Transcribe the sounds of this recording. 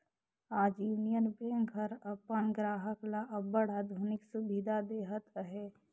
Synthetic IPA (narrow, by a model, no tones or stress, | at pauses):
aːd͡ʒjuːnijənbẽːŋkɦəɾɐpːənɡɾaːɦəklaʔɐbəɽaːd̪ʱuːnɪksubid̪ʱad̪eːɦət̪əɦeː